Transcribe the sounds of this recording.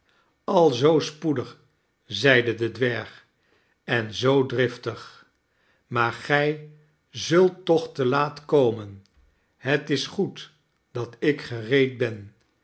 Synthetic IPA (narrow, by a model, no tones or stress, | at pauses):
ɑlˠzowspudəχ | zɛjdədədʋɛɹχ | ɛnzowdrɪftəχ | maːɹχɛj | zɵlˠtːɔχtəlaːtkowmən | ɦətɪsχut | d̥ɑtɪkχərejt̚bɛn